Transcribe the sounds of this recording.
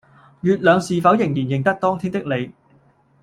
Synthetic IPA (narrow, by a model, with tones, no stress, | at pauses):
jyː˨t̚lœː˨˧ŋsiː˨˧fɐ˨˥wjɪ˨˩ŋjiː˨˩njɪ˨˩ŋt̪ɐ˥k̚t̪ɔː˥ŋt̪ʰiː˥nt̪ɪ˥k̚le˨˧j